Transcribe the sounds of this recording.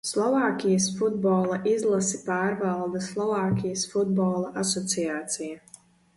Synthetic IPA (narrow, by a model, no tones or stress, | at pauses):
slˠɔvaːkʲijɐsfud̪̚bɔːlˠaʔizlˠasi̥paːɾvalˠd̪ɐslˠɔvaːkʲijasfud̪̚bɔːlˠaʔasɔt̪sijaːt̪sija